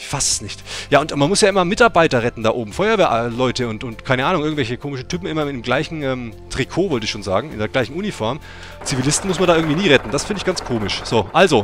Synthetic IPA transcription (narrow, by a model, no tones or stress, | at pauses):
ɪçfasɛ̥snɪçtjaːʊntmanmʊsjaːʔɪmɐmɪtaɐbaɪtɐʁɛtn̩da̰ːʔoːbm̩fɔʏɐveːɐʔlɔʏtəʊntʊntkʰaɪnəʔaːnʊŋʔɪɐɡ̩vɛlçəkʰoːmɪʃn̩tʰyːpm̩ʔɪmɐɪemɡlaɪçn̩ʔɛːmtʁ̥ikʰoːvɔltəɪçʃoːnza̰ːɡŋ̩ɪ̰ndeːɐɡlaɪçn̩ʔunifɔɐm | t͡sivilɪstn̩mʊsmandaʔɪɐɡ̩ŋ̩tv̥iːniːʁɛtn̩d̥asfɪndɪçɡ̥ant͡sskʰoːmɪʃz̥oːʔalzo